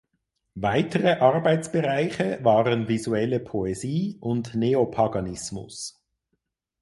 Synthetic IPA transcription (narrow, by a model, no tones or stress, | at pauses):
vaɪtʰəʁəʔɑʁbaɪt͡sb̥əʁaɪçəvaːʁənvizuɛləpʰoeziːʊndneopʰaɡɑnɪsmʊ̰s